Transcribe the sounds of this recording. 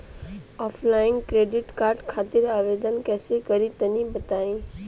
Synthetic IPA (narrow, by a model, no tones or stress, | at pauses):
aːpʰlaːɪ̃ŋkɾeːɖɪʈkaːɾʈkʰaːt̪ɪɾaːʋeːd̪ənkɛːsekɐɾit̪ɐnĩbɐt̪aːĩː